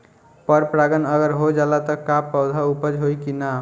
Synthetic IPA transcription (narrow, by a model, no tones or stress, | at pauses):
pəɾpɾaɡənəɡəɾɦod͡ʒalat̪ɔkapəwd̪ʱaupəd͡ʒɦojkina